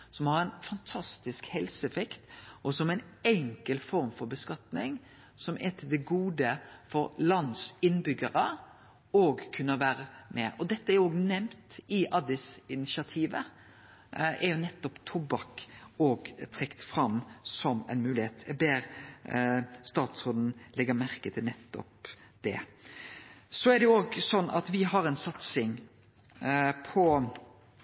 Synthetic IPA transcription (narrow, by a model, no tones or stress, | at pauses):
sɔmhɑɾɛnfɑnt̪ʰɑst̪ɪskhɛlsəɛfɛkt̪ʔɔsɔmæɪnɛŋkəlfɔɾmfɔɾbəskɑt̪nɪŋ | sɔmʔɛt̪ʰɪld̪ɛɡuːd̪əfɔɾlɑnd̪sɪnbʏɡəɾə | oːɡkʰʉnːəʋæːɾəmɛʔɔd̪ɛt̪ːəæɾoːɡnɛmt̪ɪʔɑd̪ɪsɪnɪsɑt̪ʰiːʋə̰ | ɛɾjʊnɛt̪ːɔpt̪ʰʊbɑkoːɡt̪ʰɾɛkt̪fɾɑmːsɔmɛ̰ɪnmʉːlɪheːt̪jɛɡ̚beːɾ | st̪ɑːt̪soːd̪n̩lɛɡːəmæɾkət̪ʰɪlnɛt̪ːɔ̰p | d̪̥ɛ̰ | sɔɛɾd̪ɛʊoːɡsɔnːɑ̰t̪ʋɪɦɑɾɛnsɑt̪sɪŋ | pʰɔ